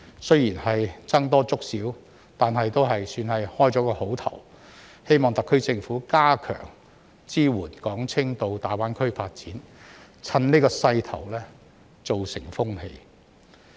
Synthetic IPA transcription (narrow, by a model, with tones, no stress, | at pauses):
sɵ˥ɥjiː˨˩nhɐ˨jt͡sɐ˥ŋt̪ɔː˥t͡sʊ˥k̚siː˨˥w | t̪aː˨nɦɐ˨jt̪o˥wɦɐ˨jsyː˧nhɐ˨jhɔː˥jt͡sɔː˨˥kɔː˧ho˨˥wt̪ʰɐ̰˨˩w | he˥jmɔː˨ŋt̪ɐ˨kʰːɵ˥ɥt͡sɪ˧ŋfuː˨˥kaː˥kʰœ̰ː˨˩ŋ | t͡siː˥wuː˨˩nkɔː˨˥ŋt͡sʰɪ˥ŋt̪o˧wt̪aː˨jwaː˨˥nkʰɵ˥ɥfaː˧t̚t͡siː˨˥n | t͡sʰɐ˧nni˥kɔː˧sɐ˧jt̪ʰɐ˨˩wlɛː˥ | t͡so˨wsɪ˨˩ŋfʊ˥ŋhe˧j